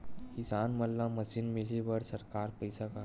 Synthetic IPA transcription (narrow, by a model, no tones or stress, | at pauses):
kisanməlːaməsiːnmiliʋəɽsəɾkaɾpəjsaka